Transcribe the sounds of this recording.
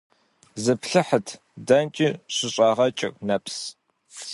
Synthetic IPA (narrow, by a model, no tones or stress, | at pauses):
zɨpɬɨħətʰ | dɐnt͡ʃʼiɕʷʊɕʼɑːʁɐt͡ʃʼɪ̰rnɐpʰs